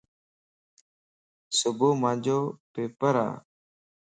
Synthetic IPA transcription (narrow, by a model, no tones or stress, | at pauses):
sʊbuːmãːd͡ʒoːpeːpəɾa̰ː